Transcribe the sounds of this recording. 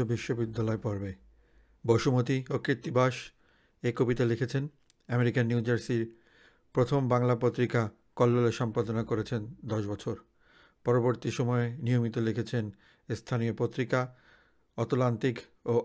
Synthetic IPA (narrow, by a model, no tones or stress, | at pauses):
obiʃːobid̪ːalɔepɔɾbe | boʃumot̪iokɾit̪ːibaʃ | ekobit̪alekʰet͡ɕʰen | ɛmeɾikanːiud͡ʑaɾsiɾ | pɾot̪ʰombaŋlapot̪ːɾika | kɔlːoleʃɔmpad̪onakoɾet͡ɕʰend̪ɔʃbɔt͡ɕʰoɾ | pɔɾoboɾt̪iʃɔmɔenijomit̪olekʰet͡ɕʰen | st̪ʰaniopot̪ːɾika | ɔt̪olant̪ik | o